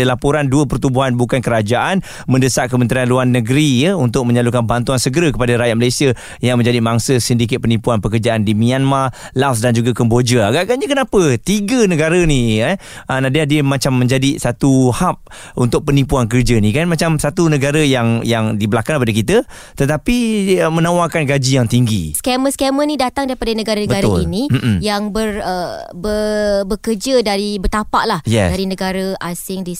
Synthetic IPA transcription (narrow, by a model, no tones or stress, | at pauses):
əlapoɾanduəpərt̪ubuɦanbukankəɾad͡ʒaʔan | mə̃ndəsaʔ̚kəmənt̪ɾianluanːəɡɾijəunt̪ʊk̚mə̃ɲalukanbant̪uansəɡəɾakəpadaɾajat̪̚məlajsia | jaŋmə̃ɲd͡ʒadimaŋsəsəndik̬ɪt̪̚pənipuanpəkərd͡ʒaʔandimĩanma | las̬dand͡ʒuɡakəmbod͡ʒəaɡaʔɡaʔɲakənapət̪iɡənəɡaɾəniə | ənadiahdiəmat͡ʃamːə̃ɲd͡ʒadisat̪uhap̚ | unt̪ʊk̚pənipuank̬ərd͡ʒənĩkanmat͡ʃamsat̪unəɡaɾəjaŋjaŋdibəlakaŋəpadakit̪ə | t̪ət̪apiəmənawakanɡad͡ʒijaŋt̪iŋɡḭskɛməskɛmənĩdat̪aŋdaɾipadanəɡaɾanəbəɡaɾaʊlinĩjaŋbərəbəbəkərd͡ʒədaɾibət̪apa̰ʔlahjɛdaɾinəɡaɾaasɪŋdis